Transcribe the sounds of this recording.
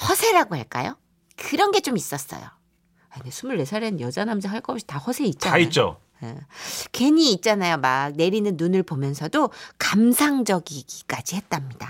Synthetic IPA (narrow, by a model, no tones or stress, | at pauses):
hʌsʰe̞ɾaɡohaɭk͈a̰jo̰ | kɯɾʌnɡe̞t͡ɕ͈omis͈ʌs͈ʌ̰jo̰ | ainesʰumuɭːe̞sʰaɾenjʌd͡ʑanamsʰaɦaɭk͈ʌpɕʰi̥tahʌsʰe̞it̚t͡ɕ͈anit͡ɕ͈o̰ | jḛke̞ɲiːt̚t͡ɕ͈anajomak̚ne̞ɾinɯnːunɯɭpomjʌnsʰʌdokamsʰaŋd͡ʑʌɡiɡik͈ad͡ʑihe̞t̚t͈amɲid̥a